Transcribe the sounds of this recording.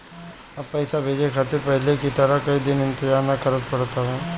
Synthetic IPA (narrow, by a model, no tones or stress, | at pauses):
ɐpːɛːsabʱeːd͡ʒekʰaːt̪ɪɾpɛɦlekit̪əɾakɐid̪ɪnɪ̃nt̪ɪzaːɾnɐkəɾət̪pɐɽt̪aɦɛː